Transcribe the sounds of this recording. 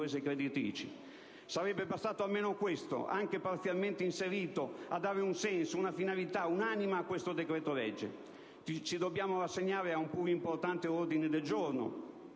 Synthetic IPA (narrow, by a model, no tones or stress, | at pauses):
es̬ekɾed̪it̪ɾḭːt͡ʃi | saɾɛbːebast̪aːt̪oalmeːnokwest̪o̰ʔa̰ŋk̟epart̪sjalment̪einseɾiːt̪oad̪ːaːɾeunsɛnsounafinalit̪aunaːnimaːkːwest̪od̪ekɾɛːt̪olɛd͡ʒːḛ | it͡ʃid̪obːjaːmorasːeɲːaːɾeaumpuːɾuimport̪ant̪eord̪ined̪eld͡ʒorno̰